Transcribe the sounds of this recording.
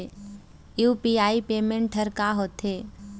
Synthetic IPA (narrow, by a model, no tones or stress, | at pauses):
juːpiaːipeːmẽɳʈ̚ːʰəɾkaːɦoːt̪ɦeː